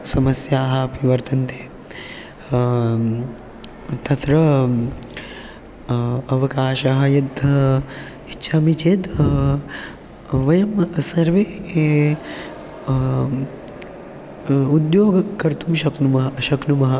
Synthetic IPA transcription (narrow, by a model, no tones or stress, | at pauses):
sɐmɐsjaːɦɐpiʋɐɾt̪ɐnt̪e̥ː | t̪ɐt̪ɾɐ | ɐʋɐkaːʃɐɦɐjɐd̪ | itːʃʰamit͡ʃeːt̪ | ʋɐjɐmsɐɾʋeː | ud̪joːɡɐkɐɾt̪umʃɐkumɐɦʃɐknumɐɦɐ